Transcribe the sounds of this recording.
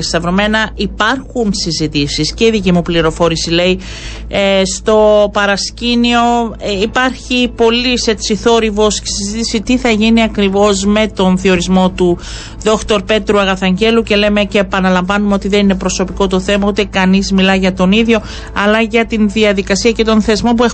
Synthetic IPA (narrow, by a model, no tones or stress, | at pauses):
st̪ɐvɾome̞nɐipɐɾxunsizit̪isisce̞iðicimupliɾo̞fo̞ɾisile̞i | st̪o̞pɐɾɐscinio̞ipɐɾçipo̞lise̞t̪siθo̞ɾivo̞sci̥sizit̪isit̪iθɐʝiniɐkɾivo̞zme̞t̪o̞nθio̞ɾizmo̞t̪u | ðo̞kt̪o̞ɾpe̞t̪ɾuɐɣɐθɐɲɟe̞luce̞le̞me̞ceːpɐnɐlɐɱvɐnumeo̞t̪iðe̞nine̞pɾo̞so̞piko̞t̪o̞θe̞mɐut̪e̞kɐnizmilɐʝɐt̪o̞niðʝo̞ | ɐlɐʝɐt̪inðiɐðikɐsiɐce̞t̪o̞nθe̞zmo̞p̬ue